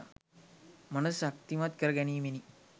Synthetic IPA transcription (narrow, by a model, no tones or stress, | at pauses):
mɐnɐsakt̪imat̪kəɾəɡɛniːmeni